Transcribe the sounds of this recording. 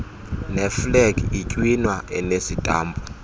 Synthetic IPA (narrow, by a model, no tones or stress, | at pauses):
nɛflɛɡicʼwinwaɛnesitʼa̰ːmbʰʱʼu